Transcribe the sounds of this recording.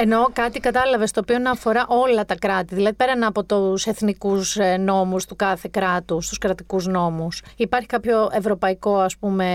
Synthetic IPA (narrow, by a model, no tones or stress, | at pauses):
eno̞kɐt̪ikɐt̪ɐlɐve̞st̪oːpio̞nɐːfo̞ɾɐʔo̞lɐt̪ɐkɾɐt̪iðilɐðipe̞ɾɐnɐːpo̞t̪use̞θnikusno̞must̪ukɐθe̞kɾɐt̪ust̪uskɾɐt̪ikuzno̞musipɐɾçi̥kɐpço̞e̞vɾo̞pɐiko̞ɐspume̞